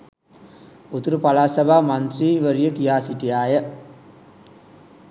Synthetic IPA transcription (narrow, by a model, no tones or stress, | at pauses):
ut̪uɾupalaːsɐbʱaːmant̪riːʋəɾijəkijaːsiʈijaːjə